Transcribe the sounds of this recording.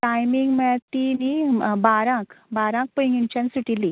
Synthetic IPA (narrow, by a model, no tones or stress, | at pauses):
ʈajmiŋɡmɛt̪inibaɾãkbaɾãk̚pəjŋɡint͡ɕãnsuʈili